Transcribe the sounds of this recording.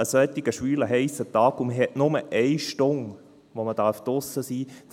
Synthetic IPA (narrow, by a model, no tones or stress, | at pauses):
əsœt̪ɪɡ̥əʃʋyːləɦɛɪsətɑːkʊməɦɛʔnʊməʔɛɪʃtʊŋ | ʋoməd̥ɑɾftɔsəsiːd